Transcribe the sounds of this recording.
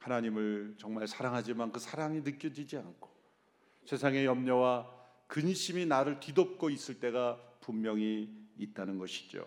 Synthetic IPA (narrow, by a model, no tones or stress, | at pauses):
hanaɲimɯɭt͡ɕʌŋmaɭsʰaɾaŋɦad͡ʑimankɯsʰaɾaŋinɯk͈jʌd͡ʑid͡ʑiankʰo̥ | sʰe̞sʰaŋe̞jʌmɲʌwa | kɯnɕʰiminaɾɯɭtidop̚k͈ois͈ɯɭt͈e̞ɡapummjʌŋiːt̚t͈anɯnɡʌɕʰi̥d͡ʑo̰